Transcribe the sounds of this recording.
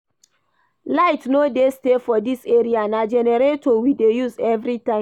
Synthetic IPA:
laɪtnodestefɔdiseɹiaãnad͡ʒɛnɛɾetowidejuzɛvɹitãɪ̃

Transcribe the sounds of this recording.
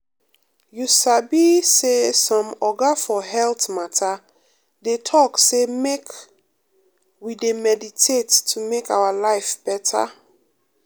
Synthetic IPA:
jusabisesɔ̃mɔɡafɔɦɛltmatʰa | detʰɔksemek | widemɛditʰetʰːumekawalaɪfb̥ɛtʰa̰

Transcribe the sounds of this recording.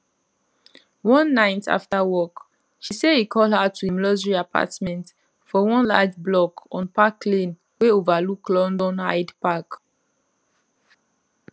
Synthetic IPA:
wɔ̃nːaɪtʰa̰ftawɔk | ʃisedhikʰɔlhatʰuɛ̃mlɔzɹiapʰa̰tmɛ̃nt | fɔwɔ̃nla̰d͡ʒblɔkɔ̃npakːlĩn | weovaluklɔ̃ndɔ̃nha̰ɪdpak

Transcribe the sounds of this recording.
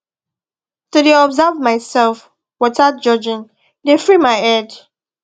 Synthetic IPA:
tudeɔbzavmaɪsɛlf | wɔtad͡ʒɔd͡ʒɪ̃n | defɹimaɪɛd

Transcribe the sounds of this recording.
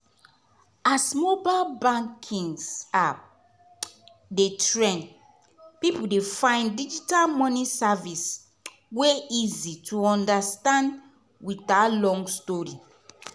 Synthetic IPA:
asmobalbãŋkʰĩŋsap | detɹɛ̃n | pipudefãɪ̃ndid͡ʒitalmɔnisavis | weizitʰuɔ̃ndastãnd | witalɔ̃ŋɡstɔɹi

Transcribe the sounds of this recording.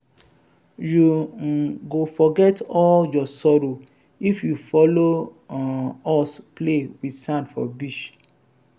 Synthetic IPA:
juŋ̩ɡofɔɡɛtɔljɔsɔɾo | ifjufɔlo | ɔsplewidsãndfɔ̰biʃ

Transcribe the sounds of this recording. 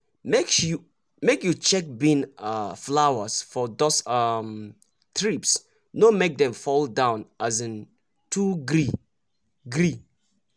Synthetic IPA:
mekju | mekjut͡ʃɛk̚bĩnaflawəsfɔd̪osam | t̪ʰɹips | nomek̚d̪ɛ̃mfɔldãʊ̃nʔazə̃n | tʰuɡɹi | ɡɹi

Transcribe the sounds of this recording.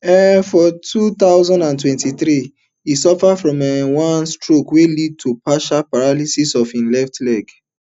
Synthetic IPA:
ɛfɔtʰut̪aʊzɔ̃ndãntwɛ̃ntiθɹi | isɔfafɹɔ̃mɛwãnstɹokwelid̚tʰupaʃapaɹalisisɔfĩnlɛftlɛɡ

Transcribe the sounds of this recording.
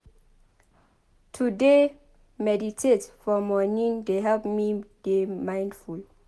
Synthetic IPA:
tʰude | mɛditʰetfɔmɔnĩndeɦɛlpmid̥emãjndful

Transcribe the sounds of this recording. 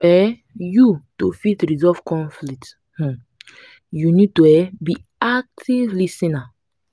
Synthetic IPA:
ɛ | jutufitɹizɔv̥kɔ̃nflikt | h̩ | junid̚tuɛbi | ak̚tʰivlisĩna

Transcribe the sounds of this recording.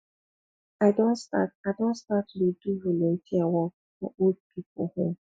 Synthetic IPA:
aɪdõnstataɪdõntstatluduɹulõntʰiawɔ | fɔ̰ʔod̚pʰip̚ohõm

